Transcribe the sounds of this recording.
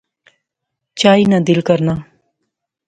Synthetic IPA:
t͡ɕaːinad̪ilkəɾna

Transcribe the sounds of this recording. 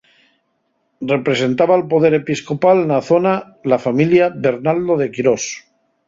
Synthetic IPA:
re̞pɾe̞se̞nt̪aβaːlpo̞ð̞e̞ɾe̞pisko̞palnaθo̞na | lafamiljaβe̞ɾnald̪oðe̞kiɾos

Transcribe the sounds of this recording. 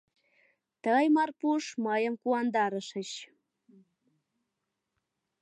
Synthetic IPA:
t̪əjmɑrpuʃməjəmkuɑnd̪ɑɾəʃəɕ

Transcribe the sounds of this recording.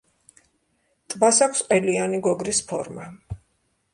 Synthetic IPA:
t̪ʼbasakʰsqʼɛlianiɡɔɡɾispʰɔ̰ɾma

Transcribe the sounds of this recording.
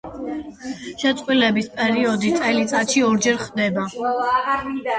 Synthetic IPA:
ʃɛt̪sʼqʼwilɛbispʼɛɾiɔd̪it̪sʼɛlit̪sʼat̪ʃiɔɾd͡ʒɛɾχd̪ɛba

